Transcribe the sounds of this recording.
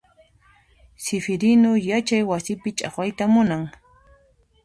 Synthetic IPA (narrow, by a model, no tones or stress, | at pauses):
sɪfɪɾɪnʊjat͡ʃajwasɪpɪt͡ʃʼa̰χwajt̪amʊnaŋ